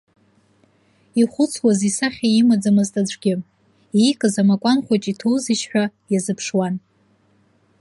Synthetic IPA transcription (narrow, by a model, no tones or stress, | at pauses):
iχʷʊt͡sʰwazisaχʲaimad͡zamɨztʼad͡ʒʷʼɡʲɪ | ijkʼɨzamakʷʼanχʷat͡ʃʼitʰowzɨʃħʷᶣajazɨpʰʂwan